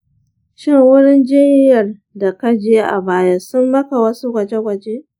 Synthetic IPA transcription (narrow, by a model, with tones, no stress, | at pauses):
ʃɪ˦ŋwʊ˦ɽɪ˦nd͡ʒɪ˦n˦jɐ˨r | da˨ka˦d͡ʒeː˦ʔa̰˨baː˦ja˦sʊ˦mbɐ˦ka˨wɐ˦su˦ɡʷɐ˨d͡ʒe˦ɡʷɐ˨d͡ʒeː˦